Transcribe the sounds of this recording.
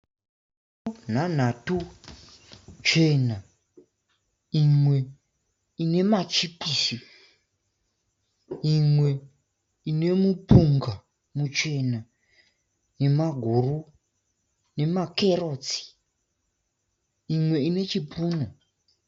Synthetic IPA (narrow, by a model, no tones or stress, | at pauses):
n̤an̤atu | t͡ʃe̞na | imwe̞ | ine̞mat͡ʃipisi | imwe̞ | ine̞mupuŋɡa | mut͡ʃe̞na | ne̞maɡʱuru | ne̞make̞ro̞t͡si̥ | imwe̞ine̞t͡ʃipʰuːno